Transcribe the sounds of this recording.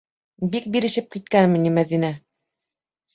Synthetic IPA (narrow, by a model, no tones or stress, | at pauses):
bik̚biɾɘ̆ʃɘp̚kit̪̚kænmɘ̆nimæðinæ